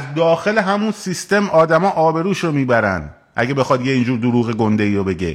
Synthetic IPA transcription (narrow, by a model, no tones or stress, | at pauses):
zd̪ɒːxe̞leɦæmunsist̪e̞mʔɒːd̪æmɒːʔɒːbe̞ɾuːʃɾomiːbæɾæ̰nd̪ | ʔæ̰ɡebe̞xɒd̪jeiːnd͡ʒuːɾd̪oɾuːɣeɡond̪e̞iːɾobe̞ɟḛ